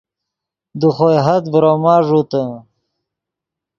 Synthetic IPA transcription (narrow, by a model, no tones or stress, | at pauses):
d̪uχojɦɐt̪bɾoːmaːʐut̪ə